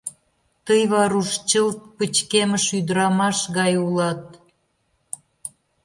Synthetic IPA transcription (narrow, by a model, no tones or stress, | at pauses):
t̪əjβɑɾuʃt͡ɕəlt̪̚pət͡ɕkeməʃyd̪əɾɑmɑʃɣɑjulɑt̪̚